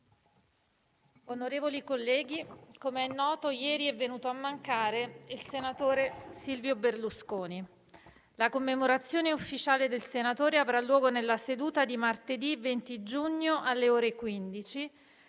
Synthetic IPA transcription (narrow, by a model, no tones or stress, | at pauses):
onoɾeːvolikolːɛːɡikomeɛnːɔːt̪ojɛːɾiɛvːenuːt̪oamːaŋkaːɾeilsenat̪oːɾesilvjoberluskoːni | lakomːemoɾat̪sːjoːneufːit͡ʃaːled̪elsenat̪oːɾeavɾalːwɔːɡonelːased̪uːt̪ad̪imart̪ed̪ivent̪id͡ʒuɲːoʔalːeoːɾekwind̪it͡ʃi